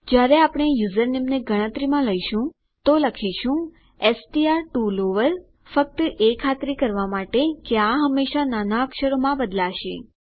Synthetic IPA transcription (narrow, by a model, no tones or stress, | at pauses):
d͡ʒjaɾeapɽ̃ejuzəɾnemneɡʱəɽ̃ə̃t̪ɾimãləiʃũ | t̪oləkʰiʃũ | esʈiaɾʈuloʋəɾ | fək̚t̪əʔekʰat̪ɾikəɾʋamaʈekeaɦəmːeʃananaəkʃəɾomãbəd̪laʃḛ